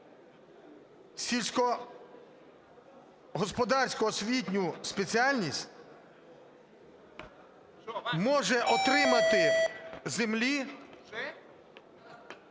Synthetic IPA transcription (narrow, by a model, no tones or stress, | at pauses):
sʲilʲsʲkɔ | ɦɔspɔd̪ɑrsʲkɔɔsʲʋʲitʲnʲuspet͡sʲiɑlʲnʲisʲtʲ | mɔʒɛʔɔt̪ɾɪmɐt̪ɪzemlʲi